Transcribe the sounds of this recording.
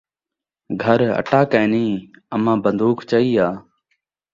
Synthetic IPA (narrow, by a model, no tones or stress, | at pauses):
ɡʱəɾə̰ʈaːkɛ̃ːnĩːəmãːbənd̪uːkʰt͡ʃəiːaː